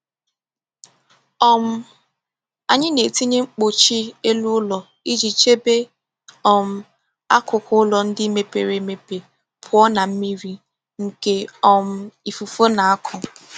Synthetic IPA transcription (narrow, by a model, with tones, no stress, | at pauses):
ɔ˦m̩˦ | a˨ɲɪ˦ne˨ti˦ɲe˦ŋ͡m̩˦k͡po˨t͡ʃi˦e˦lu˦ʊ˦lɔ˨ | i˦d͡ʒi˨t͡ʃe˦be˦ | ɔ˨m̩˦ | a˦kʊ˨kʊ˦ʊ˦lɔ˨n̩˦dɪ˦me˨pe˨ɾe˨˦me˨pe˨ | pʰʊ˨˦ɔ˦na˨m̩˦mi˦ɾi˦ | ŋ̩˨ke˨ɔ˦m̩˦i˨fu˨fo˦na˨a˦kʰʊ˨